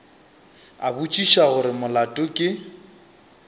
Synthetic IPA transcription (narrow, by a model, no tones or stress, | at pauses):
a̰but͡ʃʼiʃaɣʊɾɪmʊlatʼʊkʼɪ